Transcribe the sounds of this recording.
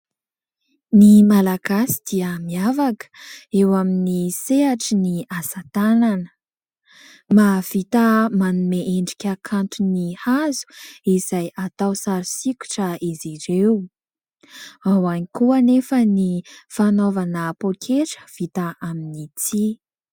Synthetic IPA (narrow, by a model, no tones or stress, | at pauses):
nimalaɡ̥asi̥d̪̥iəmiavakə̥ewaminiseɦaʈ͡ʂiniasat̪ananə̥ | mav̥it̪amanumeʔeɳɖ͡ʐikʲakʰant̪unihazu̥iz̥ajat̪awsaɾisiku̥ʈ͡ʂəiziɾew | awanikuənefənifanovanəpokʰeʈ͡ʂə̥v̥it̪aaminit͡si